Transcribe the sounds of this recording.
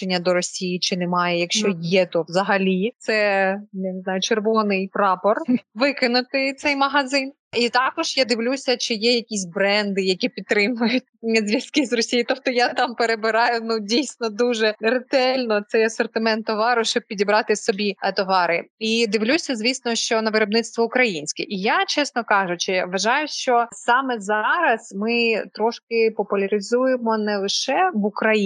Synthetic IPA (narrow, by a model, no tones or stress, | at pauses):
t͡ʃenʲːɐd̪ɔɾɔsʲijit͡ʃɪnɛmɑjɛjɐkʃt͡ʃɔjɛt̪ɔʋzɐɦɐlʲit̪sɛjanɪznɑjʊt͡ʃerʋɔnɪjpɾɑpɔrʋɪkɪnʊt̪ɪt̪sɛjmɐɦɐzɪn | it̪ɑkɔʒ̥jad̪ɪʋlʲusʲɐt͡ʃɪjɛjɐkʲisʲbɾɛnd̪ɪjɐkʲipʲit̪ːɾɪmʊjʊtʲzʲʋʲjɐskɪzrɔsʲijit̪ɔp̚t̪ɔjat̪ɑmpeɾebɪɾɑjʊnudʲijsʲnɔd̪uʒɛret̪ɛlʲnɔt̪sɛjɐsɔrt̪ɪmɛnt̪ːɔʋɑɾʊʃt͡ʃɔb̚ʲpʲidʲibɾɑt̪ɪsɔbʲit̪ɔʋɑɾɪid̪ɪʋlʲusʲɐzʲʋʲisʲnɔʃt͡ʃɔnɐʋɪɾɔbnɪt̪st̪ʋɔʊkɾɐjinʲsʲkɛʔijat͡ʃɛsnɔkɑʒʊt͡ʃɪʋɐʒɑjʊʃt͡ʃɔssɑmɛzɑɾɐzmɪt̪ɾɔʃkɪpɔpʊlʲɐɾʲɪzujemɔnɛlˠɪʃɛʋʊkɾɐji